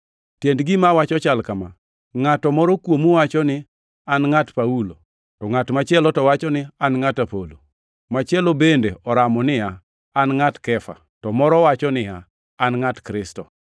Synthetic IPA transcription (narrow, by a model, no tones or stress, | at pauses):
tjendɡɪmawat͡ʃɔt͡ʃalkama | ŋatɔmɔɾɔkwomuwat͡ʃɔnɪ | anŋatpaulo | tɔŋatmat͡ʃɪɛlɔtɔwat͡ʃɔnɪanŋatapolo | mat͡ʃɪɛlobendeɔɾamɔnɪaː | nŋatkɛfa̰ | tɔmɔɾɔwat͡ʃɔnɪaː | nŋatkɾɪstɔ